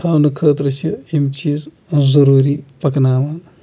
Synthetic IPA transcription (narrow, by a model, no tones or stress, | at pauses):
aːwnɐkʰəːt̪ɾɐsɐimt͡ʃiːz | zɐɾuːɾipɐknaːʋaːn